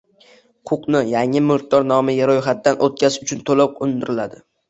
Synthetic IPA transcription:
qʰʊqnɪjaŋɪmʊɾt̪̚d̪ːɒɾnɒmɪjaɾojχat̪̚d̪anʔot̪̚kʲazʊt͡ʃʰʊnt̪ʰolɒp̚qʊnd̪ɪɾɪlad̪ɪ

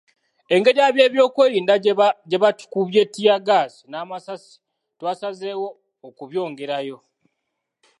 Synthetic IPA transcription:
e̞ŋɡe̞ɾjaːβje̞ːβjo̞ːkwe̞ːɾiːndaɟe̞βatu̥kuβje̞ːtːijaɡaːsi̥naːmasasi̥ | twaːsazeːwo̞ː | kuβjo̞ːŋɡe̞ɾajo̞

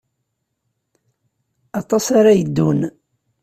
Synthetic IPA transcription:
ɑt̪ˤɑsaɾajəd̪ːun

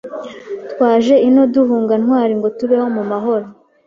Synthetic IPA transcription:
tkwaːʒe̞ino̞duhuːŋɡanhwaːɾiŋɡo̞tuβeho̞mumaɦo̞ɾo

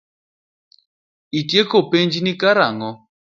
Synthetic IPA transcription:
itjekopeɲd͡ʒnikaɾaŋɔ

